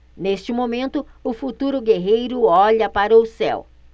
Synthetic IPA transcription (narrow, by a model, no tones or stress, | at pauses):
nest͡ʃɪmomẽnt̪ʊʊfut̪uɾʊɡeɦejɾʊɔʎɐpaɾɐʊsɛ̰w